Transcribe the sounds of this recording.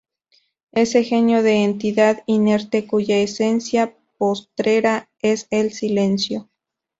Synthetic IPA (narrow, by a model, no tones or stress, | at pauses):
ese̞xenjoðeːnt̪iðaðineɾt̪ekuʝaesensja | post̪ɾeɾa | eselsilensjo